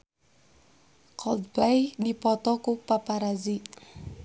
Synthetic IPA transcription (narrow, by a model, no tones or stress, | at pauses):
kʰɔld̪̚plajdipɔt̪ɔkupapaɾazi